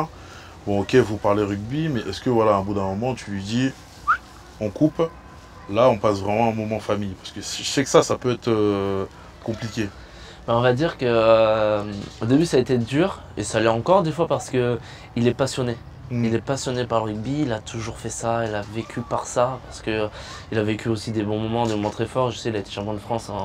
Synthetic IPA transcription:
bɔ̃ɔkʲevupaʁleʁyɡ̚bimɛʔɛskəvwalaɛ̃bud̪ɛ̃mɔmɑ̃t̪ylɥid̪i | ɑ̃kup | laɔ̃pasvʁɛmɑ̃ɛ̃mɔmɑ̃famijpaʁsə̥kəsiʒəsɛkə̥sasapøɛt̪χø | kɔ̃plikʲe | bɛɔ̃vad̪iʁkə | od̪ebysaet̪ed̪yːʁ | esaːlɛɑ̃kɔʁd̪efwapaʁsə̥kə | ilɛpasjɔne | ilɛpasjɔnepaʁlʁyɡ̚biːlat̪ʰuʒuʁfɛsailavekʲʰypaʁsapaʁsə̥kəilavekʲyosid̪ebɔ̃mɔmɑ̃d̪emɔmɑ̃t̪χɛfɔʁʒəsɛkilaet̪e̥ʃɑ̃pjɔ̃d̪əfχɑ̃sɛ̃

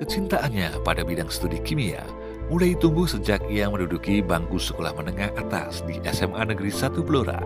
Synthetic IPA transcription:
kət͡ʃint̪aʔanɲapadabidaŋsə̥t̪udikimia̰ | mulajt̪umbʊhsəd͡ʒak̚jaŋmənudukibaŋkusə̥kola̰hmənəŋahat̪a̰sdiʔɛsɛmanəɡəɾisat̪uploɾa̰

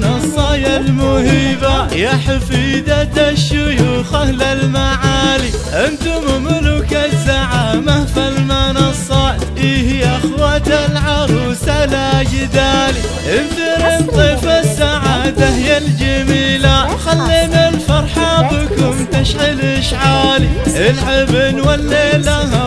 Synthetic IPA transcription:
nɑsˤɑjalmʊhiːbajaħafiːd̪at̪aʃːʊjuːxahlalmaʕaːliʔɪnt̪ʊmʊmʊlʊkasaʕamahfalmanɑsˤːɑ | ʔiːhiʔaxwat̪alʕɑɾˤuːsalad͡ʒɪd̪aːli | ʔɪnd̪ɪɾɪnt̪ˤɨfasːaʕad̪ahɪjald͡ʒamiːlaxalːinalfɑɾˤħabɪkʊmt̪aʃʕɪlʔɪʃʕaːliʔɪlʕɪbnwalːelaha

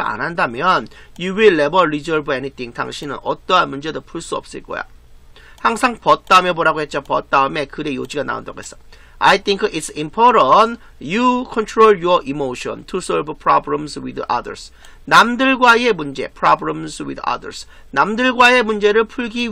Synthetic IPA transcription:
a̰nɦandamjʌnjuwilːebʌɾizʌɭbenit̪ʰiŋta̰ŋɕʰinɯ̰nʌt͈ʌɦanmund͡ʑe̞dopʰuɭs͈uʌ̰p̚s͈ɯɭk͈ʌ̰jo̰haŋsʰaŋpʌt̚t͈aɯmjʌboɾaɡohe̞t̚t͡ɕ͈opʌt̚t͈aɯme̞kɯɾe̞jod͡ʑiɡana̰o̰nda̰ɡo̰ɦes͈ʌ | a̰jt̪ʰiŋkʰitsimpʰoɾʌn | jukʰʌntʰɾoɭjʌʔimoɕʰʌ̰ntʰusʌɭbpʰɾabɾemswidʌ̰də̰ɾs | namdɯɭɡwae̞mund͡ʑe̞̰pʰɾabɾemswḭdʌ̰də̰ɾs | namdɯɭɡwae̞mund͡ʑe̞ɾɯɭpʰuɭɡi

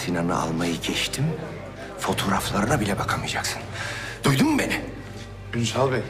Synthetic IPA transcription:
sinanɯ̰a̰lˠmajɯɟɛt͡ʃt̪ʰim | fo̞t̪ʰo̞ɾaflˠaɾɯnabilʲɛbakʰamɯjd͡ʒaksɯ̥nd̪̥ujd̪umbeni | ynsalˠbi

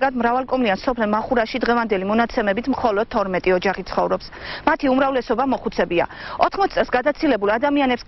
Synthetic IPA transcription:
ɡad̪mɾavalˠkʼɔmliansɔpʰlɛmaχuɾaʃid̪ʁɛvand̪ɛlimɔnat̪sʰɛmɛbit̪ʰmχɔlɔd̪̥̚t̪ʰːɔɾmɛt̪ʼiɔd͡ʒaχit̪sʰχɔvɾɔpsmat̪ʰiumɾavlɛsɔbamɔχut̪sʰɛbia̰ɔt̪ʰχmɔt̪ʰsʼɛlsɡad̪at̪sʰilɛbulˠad̪amianɛps

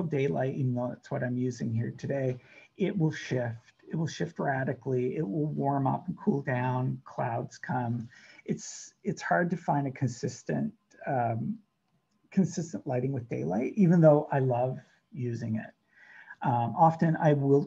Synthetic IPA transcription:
deɪla̰ɪtivn̩ðoʊðætswʌɾãɪ̃mjʉzɪ̰̃ŋhiɹtʰɨdeɪʔɪt̚wɪlˠʃɪftɨt̚wəl̩ˠʃɪft̚ɹæɾɨkliɪt̚wɪlˠwɔɹmʌ̰pn̩kʰulˠdãʊ̃nkʰl̥a̰ʊdz̥kʰʌ̃mɨtsɨtshɑɹd̚tɨfãɪ̃ndɨkʰɨ̃n̩sɪstɨ̰̃nt | ʌ | kʰɨ̃nsɪstə̃nʔlaɪɾɪ̃ŋwɨðdeɪla̰ɪt̚ʔivɨ̃nðoʊʔaɪlʌv | jʉzɪ̃ŋɪ̰t̚ | ʔɑfɨ̃na̰ɪwɪlˠ

